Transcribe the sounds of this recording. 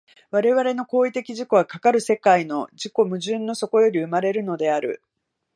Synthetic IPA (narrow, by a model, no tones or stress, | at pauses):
βaɾe̞βaɾe̞no̞ko̞ːit̪e̞kʲiʑiko̞ɡakakaɾɯ̟se̞kaino̞ʑiko̞mɯ̟ʑɨ̃nːo̞so̞ko̞jo̞ɾʲiɯ̟maɾe̞ɾɯ̟no̞d̪e̞aɾɯ̟̰